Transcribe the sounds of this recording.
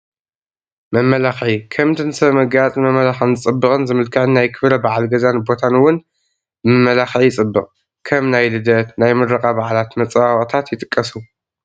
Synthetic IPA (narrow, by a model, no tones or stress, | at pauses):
mɐmːɐlaxʕikʰɐmt̪ʰɨnsɐβmɐɡt͡sʼmɐmːɐlaxɨnɨt͡sʼɨbːɨkʼɨnzɨmɨlkʰɨʕɨnːajkʰɨβɾɐbaʕalɡɐzanbo̞t̪ʰanwʊn | mɨmːɐlaxʕijɪt͡sʼɨbːɨqʼ | kʰɐmnajlɨd̪ɐt̪najmɨrɐkʼabaʕalat̪mɐt͡sʼwawχʼt̪ʰat̪jɪt̪ʼɨkʼːɐsu